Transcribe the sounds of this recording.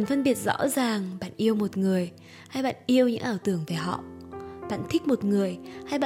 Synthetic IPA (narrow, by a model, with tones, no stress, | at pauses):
nfə˧nɓi˨˩ət̚z̥ɔ̰˧˥zaː˨˩ŋɓa̰ː˧˨nʔi˧əwmo˨˩t̚ŋɨ˨˩əj | ha˧jɓa̰ː˧˨nʔi˧əwɲɨ̰˧˥ŋʔaː˧˩wt̪ɨ˧˩əŋve˨˩ɦɔ̰˧˨ɓa̰ː˧˨nt̪ʰi˦˥k̟̚mo˨˩t̚ŋɨ˨˩əjha˧jɓa̰ː˧˨